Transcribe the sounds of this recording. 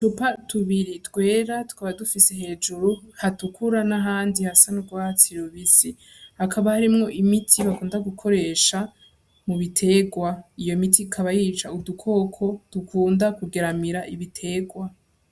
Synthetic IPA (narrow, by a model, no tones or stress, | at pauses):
t͡ʃupatʰuβiɾitwe̞ːɾatu̥kaβadufiseɦe̞ːd͡ʒuɾuhatukʰuɾanaɦaːndihasanuɡwaːt͡siɾoβisi | hakʰaβahaɾimŋo̞ʔimitʰiβakuːndaɡukʰo̞ɾe̞ːʃa | muβitʰe̞ɡwaijo̞mitikʰaβajiːt͡ʃaudukʰo̞ːkʰo̞tukʰuːndakuɡe̞ɾamiɾaʔiβitʰe̞ːɡwa